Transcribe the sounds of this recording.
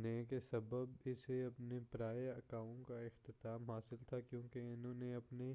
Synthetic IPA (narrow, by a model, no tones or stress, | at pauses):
nekesɐbəbɪseɐpnepɾaːjeɐkaːõkaɪxt̪ɪt̪aːmɦaːsɪlt̪ʰakjõːkeɪnɦõːneɐpne